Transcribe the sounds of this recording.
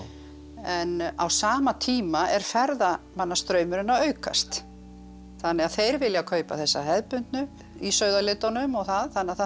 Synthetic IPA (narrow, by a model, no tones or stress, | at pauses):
ɛna̰wsaːmat̪ʰiːmaʔɛɾ̥fɛɾðamanːast̪ɾœɥmʏɾɪnːaœːɥka̰st̪ | θanːɛaðθejɾvɪljakʰœːɥpa̰θɛsːaɦɛðpʏnt̪nʏ | isœːɥðalɪt̪anʏmɔɣθaðθanːɛaθ